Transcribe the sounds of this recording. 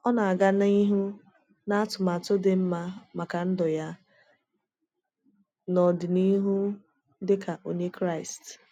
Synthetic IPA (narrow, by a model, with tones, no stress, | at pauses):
ɔ˦na˨a˨ɡa˦na˦i˦ɦu˦ | na˦a˦tʊ˨ma˨tʊ˦de˨m̩˦ma˦ma˨ka˨n̩˦dɔ˨ja˦ | nɔ˨dɪ˨ni˦ɦu˦ | dɪ˦ka˨ʔo˨ɲe˦kɾa˦˨ɪ˨st